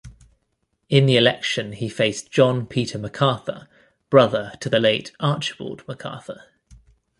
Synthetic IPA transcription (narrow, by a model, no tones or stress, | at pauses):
ɪ̃nðiɪlɛ̰kʃə̃nifeɪsd̥ʒ̥ɒ̃npʰiˑtʰəməkʰɑˑθə̰ | b̥ɹʌðətʰəðəleɪtʰɑˑt͡ʃwɔ̰ːdməkʰɑ̰ˑθə